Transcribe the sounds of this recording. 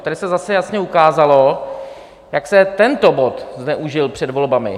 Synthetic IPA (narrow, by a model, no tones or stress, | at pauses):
t̪adɪsɛzasɛjasɲɛukaːzalo̞ | jaksɛt̪ɛnt̪o̞bot̪znɛʔuʒɪlpr̥ɛdvo̞lbamɪ̰